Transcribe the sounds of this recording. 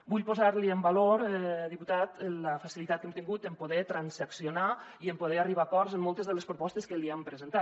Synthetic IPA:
buʎpozaɾliəmbaloɾɛðiput̪at̪ləfasilit̪at̪kemt̪iŋɡut̪əmpoðɛt̪ɾanszəksionaiəmpoðɛariβ̞akɔɾzəmːɔlˠt̪əzðələspɾopɔst̪əskəliempɾəzent̪at̪

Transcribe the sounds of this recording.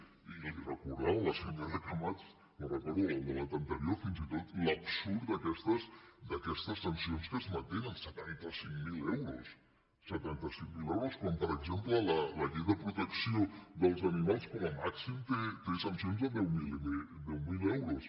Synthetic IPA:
ilirəkuɾðɛwləsinmarəkləmat̪t͡s | mərəkɔɾðuəələt̪ənt̪əɾiofinzit̪ot̪ləpsuɾd̪əkɛst̪əsd̪əkɛst̪əsənsionskəzmənt̪enənsət̪ant̪əsiŋmilɛwɾos | sət̪ant̪əsiŋmilɛwɾoskɔmpəɾəɡzemplələləʎejðəpɾut̪əksioðəlˠzɐnimalˠskoməmaksimt̪et̪esənsionzəðɛwmild̪ɛwmilɛwɾus

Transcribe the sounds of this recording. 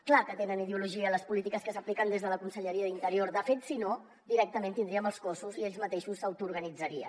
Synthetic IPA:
klakət̪enənið̞euluʒiələspulit̪ikəskəsəplikənd̪ezð̞ələkunsəʎəɾiəðint̪əɾioɾd̪əfet̪sino | d̪iɾɛk̚t̪əmẽnt̪ind̪ɾiəməlˠskosuzieʎzmət̪eʃusːəwt̪uːɾɣ̞ənid͡zəɾiə̰

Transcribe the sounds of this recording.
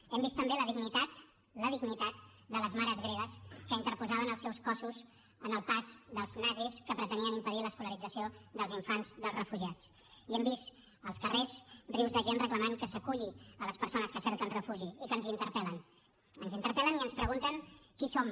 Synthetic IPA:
ɛmbist̪əmbeləðiɡnit̪at̪ | ləðiɣnit̪at̪̚d̪ələzmaɾəzɣɾeβəskəint̪əɾpuzaβənəlˠsɛwskɔsuz | ənəlˠpazðəlˠznaziskəpɾət̪əniənimpəðiləːskuləɾid͡zəsioðəlˠziɱfanzðəlˠzrəfuʒiat͡s | iɛmbist̪ | əlˠskərezriwzðəʒenrəkləmaŋkəsəkuʎiələspəɾsonəskəsɛɾkənrəfuʒiikənzint̪əɾpɛlən | ənzint̪əɾpɛləniənspɾəɣunt̪ənkisom

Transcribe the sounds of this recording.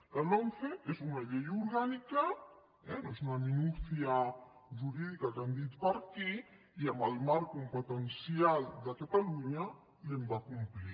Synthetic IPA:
alɔnθeezunaʎejuɾɣanika | ɛnoesunaminuθjaʒuɾiðikakand̪it̪paɾki | iamalmaɾkumpot̪ensjald̪akat̪aluɲa | iembakumpli

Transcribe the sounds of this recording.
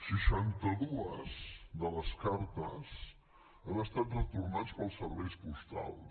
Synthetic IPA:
ʃəʃant̪əðuəzd̪ələskaɾt̪əz | ənəst̪at̪rət̪urnat͡spəlˠsəɾβɛjspust̪a̰lˠ

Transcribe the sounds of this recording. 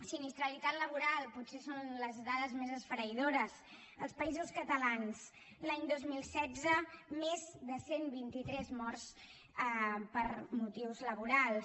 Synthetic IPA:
sinist̪ɾəlit̪at̪ləβ̞uɾalˠputsesonləzðaðəzmezəsfəɾəiðoɾəs | əlˠspəizuskət̪əlans | laɲd̪ozmilˠsɛd͡zəmezðəsenβint̪it̪ɾɛzmɔrs | pəɾmut̪iwzləβuɾalˠ

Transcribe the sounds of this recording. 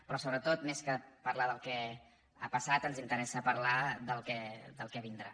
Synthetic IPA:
pɾɔsoβɾət̪ot̪meskəpəɾlaðəlˠkɛ | a̰pəsat̪ənzint̪əɾɛsəpəɾlad̪əlˠkɛd̪əlˠkɛβind̪ɾa̰

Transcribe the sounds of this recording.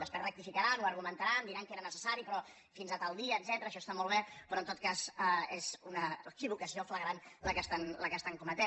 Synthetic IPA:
əsperək̚t̪ifikəɾanuəɾɣ̞umənt̪aɾand̪iɾaŋkeɾənəsəsaɾipɾɔ | finzat̪alˠd̪iəːd̪zɛt̪əɾəːʃɔst̪amɔlˠβepɾɔnt̪ot̪kazaezunəkiβukəsiofləɣɾanləkəst̪anləkəst̪aŋkɔmət̪ɛ

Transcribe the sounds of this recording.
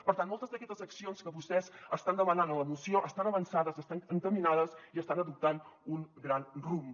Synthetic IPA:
pəɾt̪anmolˠt̪əzðəkɛst̪əzəksionskəβust̪ɛzəst̪and̪əmənanələmusioʔəst̪anəβənsaðəzəst̪aŋəŋt̪əminaðəziəst̪anəðup̚t̪anuŋɡɾanrum

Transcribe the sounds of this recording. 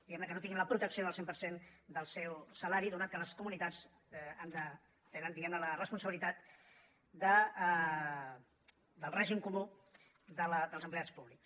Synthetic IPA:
d̪iɣɛmnəkənot̪iŋɡinləpɾut̪əksioðəlˠsempəɾsend̪əlˠsɛwsəlaɾiðunat̪kələskumunit̪ad͡z | and̪ə | t̪enənd̪iɣɛmnələrəspunsəβilit̪at̪ | d̪ə | d̪əlˠrɛʒimkumu | d̪ələd̪əlˠzəmpleat͡spuβliks

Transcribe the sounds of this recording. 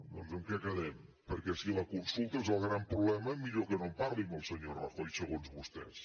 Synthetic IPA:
d̪ɔnzəmkɛkəðɛmpəɾkɛsiləkunsulˠt̪əezəlˠɣɾampɾuβlɛməmiʎokənompaɾliməlˠsəɲorɔ̰fojsəɣonzβust̪ɛ̰s

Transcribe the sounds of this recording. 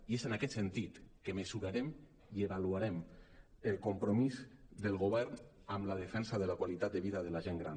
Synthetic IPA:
iezenakɛt̪sent̪it̪kemezuɾaɾem | ieβaluaɾɛməlˠkompɾomizd̪əlˠɣoβɛɾn | amlað̞efɛnsaðəlakwalit̪at̪d̪eβiðaðəlaʒeŋɡɾa̰n

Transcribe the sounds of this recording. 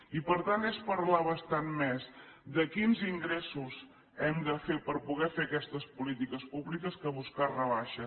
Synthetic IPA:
ipəɾt̪antɛspəɾlaβəst̪anmɛzd̪əkinziŋɡɾɛsuz | ɛmd̪əfepəɾpuɣɛfeəkɛst̪əspulit̪ikəspuβlikəskəβuskarəβaʃə

